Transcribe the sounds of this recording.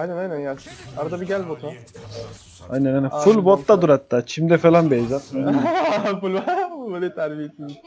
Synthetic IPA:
ajnɛnajnænjasaɾad̪abiɟælʲbot̪ʰo | a̰jnɛnajnnfulʲbot̪lːad̪uɾhat̪ːaːt͡ʃʰimd̪ɛfelʲanbiejzat̪aj | fulʲbaølʲet̪ʰaɾbiɦet̪ʰim

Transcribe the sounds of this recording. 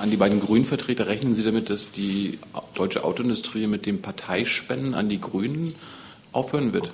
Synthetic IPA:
ʔandiːbaɪdn̩ɡʁyːnənfɛɐtʁ̥eːtɐʁɛçnənziːdamɪt̚d̥asd̥iːd̥ɔʏt͡ʃəʔa̰ʊtoɪndʊstʁ̥iːmɪt̚d̥eːnpʰaɐtʰaɪʃpɛndən̩a̰ndiːɡʁyːnən | ʔaʊfhøːʁənvɪɐt

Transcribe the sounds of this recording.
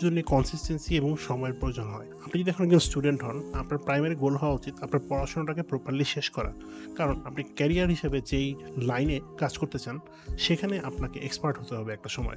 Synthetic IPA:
d͡ʑonːekɔnsisʈensieboŋʃɔmɔeɾpɾojod͡ʑonɦɔeapnid͡ʑod̪iɛkʰonɛɡd͡ʑonsʈuɖeɳʈɦɔnapnaɾpɾajmaɾiɡolɦɔwaot͡ɕit̪apnaɾpɔɾaʃonoʈakepɾopalːiʃeʃkɔɾa̰ | kaɾonapnikɛɾiaɾɦiʃabed͡ʑejlajnekad͡ʑkoɾt̪et͡ɕʰan | ʃekʰaneʔapnakeʔekspaɾʈɦot̪eɦɔbeɛk̚ʈaʃɔmɔ̰e

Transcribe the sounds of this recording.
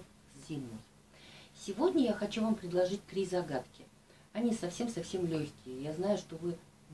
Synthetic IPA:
zʲimnɨj | sʲɪvo̞dʲnʲəjaxɐt͡ɕuvampɾʲɪd̪lˠɐʐɨt̚ʲt̪ɾʲizɐɡat̪kʲɪ | ɐnʲisɐfsʲe̞msɐfsʲe̞mlʲoçʲkʲɪjəjaznajʊʂt̪o̞vɨ

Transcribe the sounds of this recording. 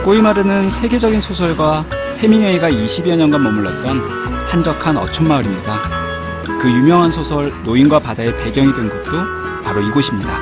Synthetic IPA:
k͈oimaɾɯnɯnsʰe̞ɡe̞d͡ʑʌɡinsʰosʰʌɭɡwa | he̞miɲʌiɡaiɕʰibiʌɲʌnɡwanmʌmɯɭːʌt̚t͈ʌn | hand͡ʑʌkʰanʌ̰t͡ɕʰʌnmaɯɾimɲida | kɯjumjʌŋɦansʰosʰʌɭnoinɡwapadae̞pe̞ɡjʌŋidwe̞nɡʌt̚t͈o | paɾoiɡoɕʰimɲida

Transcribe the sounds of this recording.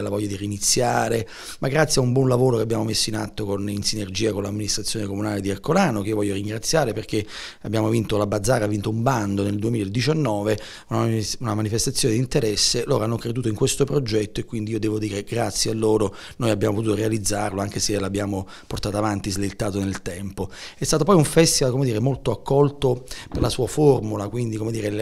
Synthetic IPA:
lavɔʎːad̪iriːnit̪sːjaːɾe | maɡːɾat̪sjaumbwɔnlavoːɾokeabjaːmomesːoinat̪ːokoninsinerd͡ʒiːakonlamːinist̪ɾat̪sːjoːnekomunaːled̪iarkolaːnokeiovɔʎːjːoɾiŋɡɾat̪sːjaːɾeperk̟e | abːjaːmovint̪olabad̪zaːravint̪oumband̪oneld̪uemiːled̪it͡ʃanːɔːve | unaunamanifest̪at̪sːjoned̪int̪eɾɛsːeloːɾoanːokɾed̪uːt̪oiŋkwest̪opɾod͡ʒɛt̪ːoekːwind̪iiːod̪ɛːvod̪iːɾeɡɾat̪sːjealːoːɾo | noːjabjaːmop̬ot̪ut̪oɾealid̪zːarloaŋk̟eselabːjaːmo | port̪aːt̪oavant̪izlet̪ːaːt̪onelt̪ɛmpoɛst̪aːt̪̬opɔjuɱfɛst̪ivalkomed̪iːɾemolt̪oakʰːɔlt̪operlasuːaformulakwind̪ikomed̪iːɾe

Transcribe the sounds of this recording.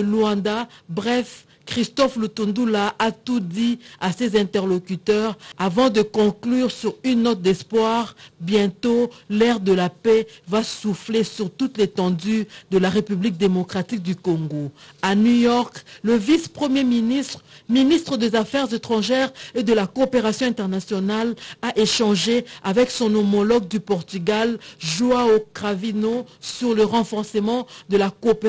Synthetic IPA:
luɑ̃d̪abʁɛf | kχist̪ɔflut̪ũnd̪ulaʔat̪ud̪iasezɛ̃t̪ɛʁlokyt̪œʁavɑ̃d̪əkɔ̃klyʁsyʁynːɔt̪̚d̪ɛspwaʁbjɛ̃t̪olɛʁd̪əlapɛvasuflesyʁt̪ut̪let̪ɑ̃d̪yd̪əlaʁepyblik̚d̪emokχat̪ik̚d̪ykɔ̃ŋɡoanujɔʁkləvispχəmje | minist̪χəd̪ezafɛʁzet̪χɑ̃ʒɛʁed̪əlakoːpeʁasjɔ̃ɛ̃t̪ɛʁnasjɔnalaʔeʃɑ̃ʒeavɛksɔ̃nomɔlɔɡ̚d̪ypɔʁt̪yɡalʒuaokʁavinosyʁləʁɑ̃fɔʁsəmɑ̃d̪əlakop

